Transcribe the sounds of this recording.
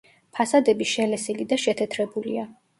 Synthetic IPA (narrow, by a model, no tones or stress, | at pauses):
pʰasad̪ɛbiʃɛlɛsilid̪aʃɛt̪ʰɛt̪ʰɾɛbulḭa